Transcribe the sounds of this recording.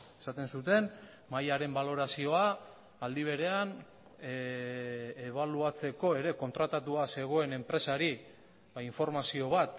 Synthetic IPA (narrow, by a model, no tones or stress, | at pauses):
esat̪e̞nsut̪e̞n | majaɾe̞mbalo̞ɾasio̞aː | ld̪iβ̞e̞ɾe̞an | eβ̞aluat͡se̞ko̞e̞ɾe̞ko̞nt̪ɾat̪at̪uase̞ɣ̞o̞e̞ne̞mpɾe̞saɾi | βaiɱfo̞ɾmasio̞β̞at̪